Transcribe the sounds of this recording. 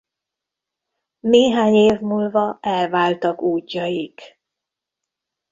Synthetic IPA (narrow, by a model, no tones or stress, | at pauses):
neːɦaːɲeːvmuːlvɒɛlvaːlt̪ɒkuːcːɒjik